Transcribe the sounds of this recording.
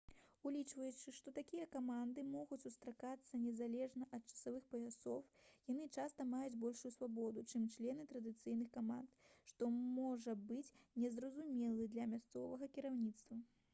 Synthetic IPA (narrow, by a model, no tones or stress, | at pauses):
ulʲit͡ʂvɐjut͡ʂɨʂt̪ɔt̪akʲijɐkamand̪ɨmɔɣut͡sʲsust̪ɾakat̪sːɐnʲɛzalʲɛʐnɐʔɐt̪̚t͡ʂɐ̥savɨxpɐjʲasɔwjan̪ɨt͡ʂast̪ɐmajud͡zʲbɔlʲʂujusvabɔd̪ut͡ʂɨmt͡ʂlʲɛnɨt̪ɾɐd̪ɨt̪sɨjnɨxkama̰nt̪ʂt̪ɔmɔʐɐbɨt͡sʲnʲɛzrɐzumʲɛlˠɨd̪lʲɐmʲast̪sɔvɐɣɐkʲiɾawnʲit̪st̪vɐ